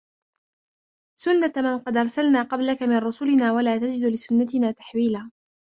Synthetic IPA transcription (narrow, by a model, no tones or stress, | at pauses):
sʊnːat̪manqɑd̪ʔɑɾˤsalnaːqɑblakamɪnɾʊsʊlɪnaːwalaːt̪ad͡ʒɪd̪lɪsʊnːat̪ɪnaːt̪ḁħwiːlaː